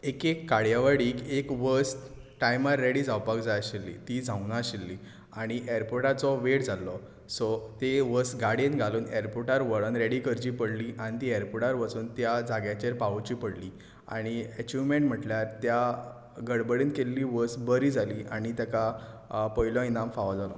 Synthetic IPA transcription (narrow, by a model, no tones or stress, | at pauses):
ekekːaɽjaʋaɽiːkekʋəsʈajmaɾːeɽiːd͡zʱawpakd͡zajaɕilːḭt̪id͡zʱãwnaɕilːiː | aɽ̃iʔeɾpoɾʈat͡sɔʋeʈd͡zʱalːɔ | sɔt̪eʋəsɡaɽjenɡʱaluːneɾpoɾʈaɾʋəɭənɾeɽikəɾt͡ɕiːpəɽliːʔaɽ̃it̪iːeɾpoʈaɾʋəsuːnt̪jad͡zaɡjat͡ɕeɾpaut͡ɕiːpəɽliː | a̰ɽ̃iɛt͡ɕumeɳʈm̤əʈljaɾt̪ja | ɡəɽbəɽiːnkelːiːʋəsbəɾiːd͡zʱaliːʔaɽ̃it̪jakapəilɔ̃inamfaʋad͡zalɔ